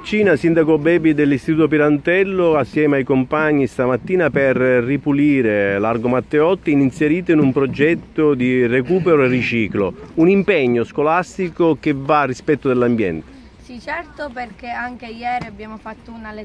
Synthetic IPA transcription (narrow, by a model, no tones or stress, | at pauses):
t͡ʃiːnasind̪akobɛːbid̪elːist̪it̪uːt̪op̬iɾant̪ɛlːoasːjɛːmeajkompaɲːist̪amat̪ːiːnaperrːipuliːɾelarɡomat̪ːeɔt̪ːiininseɾiːt̪oinumpɾod͡ʒɛt̪ːod̪irekuːpeɾoerːit͡ʃiːklounimpɛɲːoskolast̪ikok̟evːarːispɛt̪ːod̪elːambjɛ̰nt̪e̥ | sit͡ʃɛrt̪operk̟eaŋk̟ejɛːɾiabːjaːmofat̪ːounale